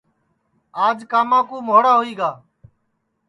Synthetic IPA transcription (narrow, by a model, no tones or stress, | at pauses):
aːd͡ʒkaːmãːkuːmoːɽaːɦoiːɡaː